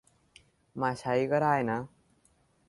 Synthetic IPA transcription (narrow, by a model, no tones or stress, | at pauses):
maɕaiɡʌɾaena